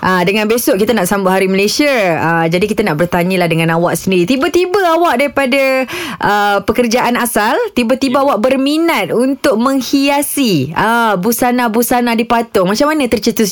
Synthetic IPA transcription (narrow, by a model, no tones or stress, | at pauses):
ʔədəŋãnbesʊʔkit̪anaʔsambʊʔɦaɾiməlesiaəd͡ʒadikit̪anaʔbərt̪aɲilahdəŋãnawaʔsəndiɾit̪ibət̪ibəawaʔ̚daɾipadaʔəpəkərd͡ʒaʔanasalt̪ibət̪ibaawaʔ̚bərminat̪̚unt̪ʊk̚mə̃ŋhiasiəbusanabusanadipat̪ʊŋmat͡ʃamanə̃t̪ərt͡ʃət̪ʊs